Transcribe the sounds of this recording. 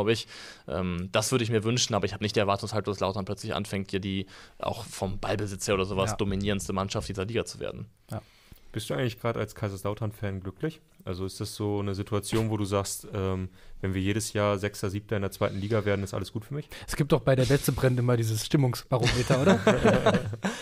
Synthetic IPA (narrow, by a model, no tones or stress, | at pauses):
ʊbəɪçʔɛ̰ːmd̥asv̥ʏɐɾəɪç̬miːɐvʏnʃn̩ʔaːbɐɪçhaːənɪçtd̥iːɛɐvaɐtʰʊŋshaltd̥aslaʊtanpʰl̥œt͡slɪçʔa̰nfɛŋt̚d̥iːɐdiːʔa̰ʊxfɔmbalbəzɪt͡sheːɐoːdɐzoːvasd̥ominiːʁənstəmanʃaftd̥iːzɐliːɡɐt͡su̥vḛːɐdn̩ | j | b̥ɪstd̥uʔaɪŋtlɪçɡ̥ʁaːdəʔa̰lskʰaɪzaslaʊtʰanfɛːnɡlʏklɪç | ʔalzoɪstd̥asz̥oːnəzitʰuat͡sjoːnvoːɾuːzaːkstʔɛːmvɛnviːɐjeːɾəsjaːɐzɛksɐziːp̚tʰɐɪndeɐt͡sv̥aɪtn̩liːɡaveːɐdn̩ɪstʔa̰ləsɡ̥uːtfyːɐmɪçʔɛsɡ̥iːp̚td̥ɔχb̥aɪɾeːɐvɛstəbʁɛnɪmɐdiːzəsʃtɪmʊŋsb̥aʁomeːtʰɐʔoːɾɐ